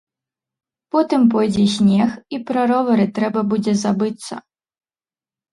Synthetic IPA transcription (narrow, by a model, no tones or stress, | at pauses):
pɔt̪ɨmp̬ɔjd͡zʲɛsʲnʲɛxipɾɐɾɔvɐɾɨt̪ɾɛbɐbud͡zʲɛzabɨt̪sːɐ̰